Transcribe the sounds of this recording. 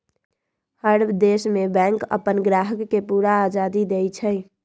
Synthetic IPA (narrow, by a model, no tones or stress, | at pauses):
həɾbd̪esmebɛ̃ŋkə̰pənɡɾaɦəkːepuɾaːd͡ʒad̪id̪ejt͡ʃʰəj